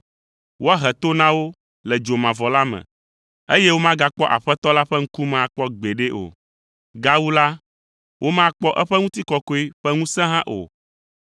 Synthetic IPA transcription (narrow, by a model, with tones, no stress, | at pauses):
wo˦a˦ɦɛ˨t̪o˦nã˦wo˦ | lɛ˨d͡ʒo˨mã˨vɔ˨la˦mɛ̰̃˨ | e˦je˦wo˦mã˦ɡa˦k͡pɔ˦ʔa̰˨ɸɛ˦t̪ɔ˦la˦ɸɛ˦ŋ̩˦ku˦mã˨a˨k͡pɔ˦ɡ͡be˨ɖe˦ʔo̰˨ | ɡa˦wu˦la˦ | wʔo˦mã˦k͡pɔ˦ʔɛ˦ɸɛ˦ŋũ˦t̪i˦kɔ˨˦ko˦i˦ɸɛ˦ŋũ˦sɛ̃˦ɦã˦ʔo̰˨